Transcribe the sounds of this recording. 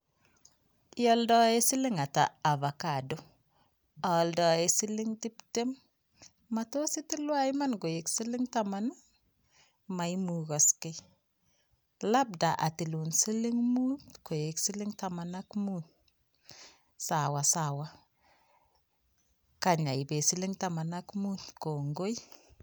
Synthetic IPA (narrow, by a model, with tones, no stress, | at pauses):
jɔ˦ldɔ˦e˦si˦lɪ˦ŋa˨ta̰ː˨va˨ka˨do˦ | a˨ldɔ˨e˨si˦li˦ŋti˦pte˦mː | a˨to˦si˦ti˦lwa˦jma˦nɡo˨je˨ksi˦lɪ˦ŋtamana˦ | ma˨imu˨ɣɔ˨skɪ˦ | la˦b̚da˨ʔa˨ti˨lu˨nsi˦li˦ŋmu˦tko˨je˨ksi˦li˦ŋta˨ma˨na˦kmu˦n | sa˨wa˨sa˨wa˦ | ka˨ɲa˨ji˨be˨si˦li˦ŋta˨ma˨na˦kmu˦nko˨ŋɡo˦j